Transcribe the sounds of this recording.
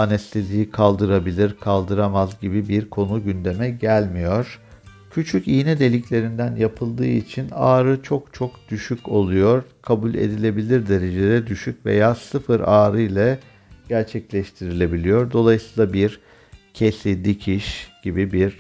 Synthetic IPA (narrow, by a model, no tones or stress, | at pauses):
anɛslizʲijikʰalˠd̪ɯɾabilʲiɾkʰalˠd̪ɯɾamazɟibibiɾkʰo̞nuɟynd̪e̞mɛɟælʲmijo̞ɾ̥ | cʰyt͡ʃʰycijnɛd̪e̞lʲiclʲe̞ɾind̪ænjapʰɯlˠd̪ɯːit͡ʃʰinaːɾɯt͡ʃʰo̞kt͡ʃʰo̞kd̪̥yʃyco̞lˠujo̞ɾkʰabulʲe̞̰d̪ilʲe̞bilʲiɾd̪e̞ɾe̞d͡ʒed̪ɛd̪yʃycvḛjaːsɯfɯɾaːɾɯjlʲˠa | ɟ̥æɾt͡ʃʰɛclʲɛʃt̪ʰiɾilʲe̞bilʲijo̞ɾd̪o̞lˠajɯsɯ̥ːlˠabiɾ | cʰesid̪icʰiʃɟ̥ibibiɾ̥